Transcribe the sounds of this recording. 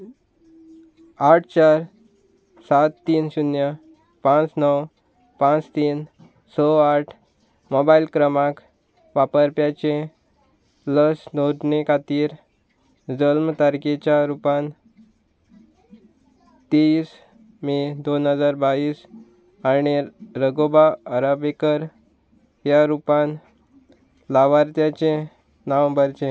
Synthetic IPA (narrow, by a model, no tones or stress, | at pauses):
aʈ̚ʰt͡ɕaɾ | sat̪ːiːnɕunja | pãt͡snəw | pãt͡st̪iːn | sɔaʈʰ | mobailkɾəmãk | ʋapəɾpjat͡ɕẽ | ləsnod̪nekʰat̪iːɾ | d͡zəlmt̪aɾket͡ɕjaɾupan | t̪iːs | mid̪onɦəd͡zaɾbaiːs | añiɾəɡobaːɾabekəɾ | jaɾupan | laʋaɾt̪jat͡ɕẽ | naʋəmbəɾt͡ɕẽ